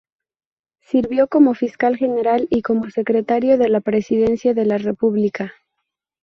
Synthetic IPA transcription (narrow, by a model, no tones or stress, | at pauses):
siɾβjo̞ko̞mo̞fiskalxe̞ne̞ɾaliko̞mo̞se̞kɾe̞t̪aɾjo̞ðe̞lapɾe̞siðe̞nsjaðe̞lare̞puβlika